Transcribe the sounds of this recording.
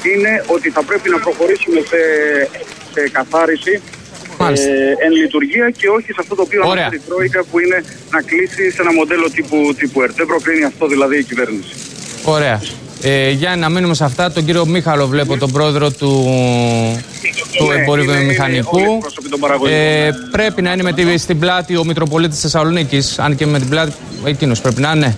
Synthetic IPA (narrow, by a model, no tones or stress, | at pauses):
ine̞ʔo̞t̪iθɐpɾe̞pinɐpɾo̞xo̞ɾisume̞se | sekɐθɐɾisi | mɐlisenlit̪uɾʝiɐce̞o̞çisɐft̪ot̪oːpiooɾeɐt̪it̪ɾo̞ikɐpuine̞ | nɐklisise̞nɐmo̞d̪e̞lo̞t̪iput̪ipueɾt̪ðebɾo̞kɾiniɐft̪o̞ðilɐðiːcive̞ɾnisi̥ | o̞ɾe̞ɐ | eʝɐnɐminumes̬ɐft̪ɐt̪o̞ɲɟiɾio̞mixɐlo̞vle̞po̞t̪o̞bɾo̞e̞ðɾo̞t̪u | t̪uebo̞ɾivmixɐnikuɾosopit̪obɐɾɐɣopɾe̞pinɐinemet̪ist̪iblɐt̪io̞mik̪ɾo̞po̞lit̪isθesɐlo̞nicisɐ̰nce̞me̞t̪iblɐt̪i | ecino̞spɾe̞pinɐne